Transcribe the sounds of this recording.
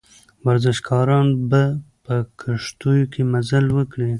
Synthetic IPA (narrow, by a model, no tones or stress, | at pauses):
waɾzɪʃkʰɑɾɑnbapəkʰaʂt̪ujokʰemazalwəkɽi